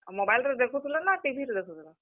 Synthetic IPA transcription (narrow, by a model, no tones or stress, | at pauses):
mobajled̪ekʰut̪ʰulanaʈibʱiɾd̪ekʰut̪ʰula